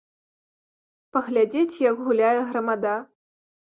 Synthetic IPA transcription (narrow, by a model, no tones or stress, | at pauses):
pɐɣlʲad͡zʲet͡sʲjɐɡɣulʲajɛɣɾɐmad̪a